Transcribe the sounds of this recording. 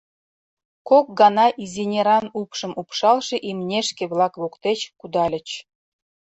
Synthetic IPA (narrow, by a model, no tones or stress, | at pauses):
kok̚ɡɑnɑʔizʲinʲeɾɑnupʃə̆mupʃɑlʃeʔimnʲeʃkĕβlɑkβokt̪et͡ɕkud̪ɑlʲə̆t͡ɕ